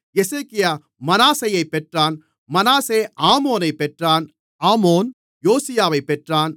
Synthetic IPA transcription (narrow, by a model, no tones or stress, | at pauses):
jɛseːkɪjaː | mɐnaːsɐjɐɪpːɛʈraːn | mɐnaːseːʔaːmoːnɐɪpːɛʈraːn | aːmoːn | joːsɪjaːʋɐɪpːɛʈraːn